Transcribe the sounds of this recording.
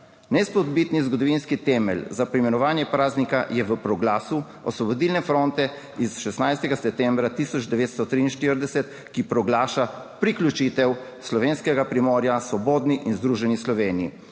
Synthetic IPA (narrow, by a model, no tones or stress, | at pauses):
nɛspɔd̪bit̪nizɡɔd̪ɔʋinskit̪ɛmɛ̰lzapɾimɛnɔʋaːnjɛpɾaːznikajɛʋəpɾɔɡlaːsu | ɔ̰sʋɔbɔd̪iːlnɛfɾont̪ɛ | isʃɛsnajst̪ɛɡasɛp̚t̪ɛmbɾat̪isɔd͡ʒd̪ɛʋeːt̪st̪ɔt̪ɾiinʃt̪iɾd̪ɛsɛt̪ | kipɾɔɡlaːʃa | pɾiklʲut͡ʃit̪ɛw | slɔʋeːnskɛɡapɾimɔːɾjasʋɔboːd̪niʔinzd̪ɾuːʒɛnislɔʋeːniḭ